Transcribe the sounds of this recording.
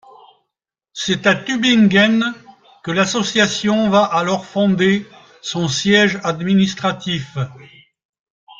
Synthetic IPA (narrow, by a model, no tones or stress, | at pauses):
sɛt̪at̪ybiŋɡɛn | kəlasɔsjasjɔ̃vaʔalɔʁfɔ̃d̪e | sɔ̃sjɛʒad̪minist̪χat̪if